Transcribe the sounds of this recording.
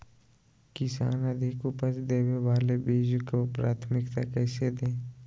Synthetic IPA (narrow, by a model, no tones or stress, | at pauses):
kɪsa̰ːnəd̪ʱɪkʊpəsd̪eːweʋaːlebiːd͡ʒkopɾaːt̪ʰmɪkt̪akɛːsed̪ẽː